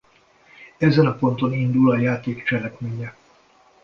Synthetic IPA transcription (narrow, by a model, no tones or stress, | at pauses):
ɛzɛnɒpo̞nt̪o̞nind̪ulɒjaːt̪eːkt͡ʃɛlɛkmeːɲɛ